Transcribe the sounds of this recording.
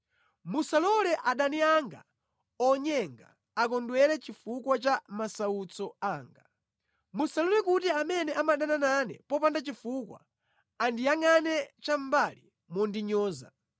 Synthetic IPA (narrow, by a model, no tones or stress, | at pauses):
musalɔlɛʔaɗaniaŋɡa̰ | ɔɲɛŋɡaː | k̬ɔndwɛlɛt͡ʃifukwat͡ʃamasaut͡sɔaːŋɡa | musalɔlɛkutiamɛnɛʔamaɗanananɛ̰pɔpandat͡ʃifuːkwa̰ | andijaŋanɛt͡ʃam̩bali | mɔndiɲɔːza̰